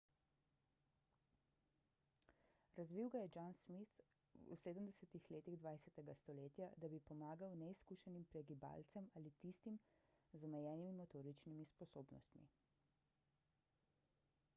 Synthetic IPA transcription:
ɾazʋiwɡajɛd͡ʒansmit̪ | ṵseːd̪əmd̪ɛsɛt̪ixleːt̪iɣd̪ʋajsɛt̪ɛɡast̪ɔleːt̪jad̪abipɔmaːɡawnɛiskuːʃɛnimpɾɛɡiba̰lt̪sɛmaːlit̪ist̪imzɔmɛjɛːnimimɔt̪oːɾit͡ʃnimispɔsoːbnɔ̰st̪mḭ

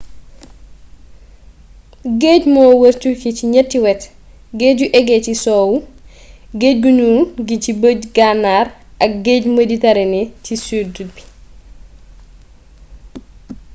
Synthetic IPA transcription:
ɡeːɟmɔːwəɾt͡ʃukiciɲɛtːiwɛt | ɡeɟuʔɛɡɛcisɔːwu | ɡeɟ̚ɡuɲunɡicibəɟɡanːarʔɐk̚ɡeːɟməditɐɾɛnecisudubi̥

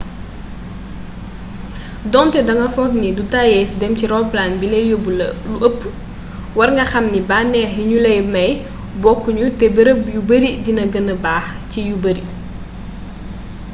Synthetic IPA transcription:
dɔntɛdɐŋɡɐfɔknidutajɛfdɛmciɾɔːplaːnbilɛjobulluʔəpː | wɐrŋɡɐxɐmnibaːnɛɦiɲulɛjmɐj | bɔkːuɲutɛbəɾəjubəɾidinɐɡənɐbaːx | cijubəɾi

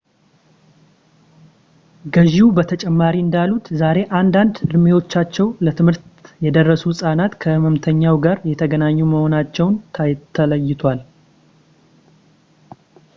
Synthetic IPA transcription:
ɡəʒiwubət̪ʰət͡ʃʼɛmːaɾiɨnd̪alːut̪zaɾe̞ʔand̪and̪ɨɾɨme̞wo̞t͡ʃːat͡ʃːɛwlət̪ʰɨmhɨɾt̪jɛd̪ərːəsusʼanat̪kʰəməmt̪ʰəɲːawɡaɾjɛt̪ʰəɡənaɲːuməho̞nat͡ʃːɛwnt̪ʰajt̪ʰːələjːɪt̪ʰwal

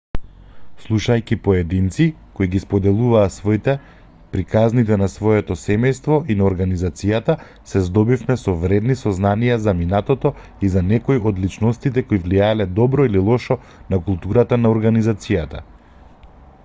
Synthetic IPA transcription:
slˠuʃajkipɔɛd̪int̪si | koiɡispɔd̪ɛlˠuvaːt̪svɔit̪ɛ | pɾikaznit̪̬ɛnasvɔjɛt̪ɔsɛmɛjst̪vɔʔinaɔɾɡanizat̪sijat̪a | sɛzd̪ɔbifmɛsɔvɾɛd̪nisɔznanijazaminat̪ɔt̪ɔ | izanɛkɔiʔɔd̪lit͡ʃnɔst̪it̪ɛkoivlijaɛlɛd̪ɔbɾɔililˠɔʃɔ | nakulˠt̪uɾat̪anaɔɾɡanizat̪sijat̪a̰

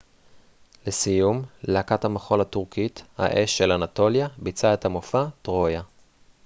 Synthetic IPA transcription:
lesijumlakathamaχo̞latuʁkitha̰ʔeʃːelanato̞ljabit͡sae̞thamofatʁo̞ja

